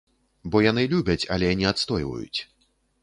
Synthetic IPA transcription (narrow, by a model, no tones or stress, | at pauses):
bɔjan̪ɨlʲubʲɐt͡sʲɐ̰lʲɛjanʲiat̪st̪ɔjvɐ̰jṵt͡sʲ